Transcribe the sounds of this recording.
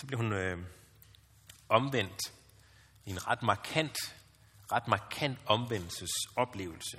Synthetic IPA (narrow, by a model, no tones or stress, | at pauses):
sɒ̽b̥le̝ɐhunø | ɒ̽mʋen̰d̥ | e̝nʁɑ̈d̥mɑ̈kʰæn̰d̥ | ʁɑ̈d̥mɑ̈kʰæn̰d̥ɒ̽mʋen̰l̩səsɒ̽b̥le̝̰ːʊl̩sə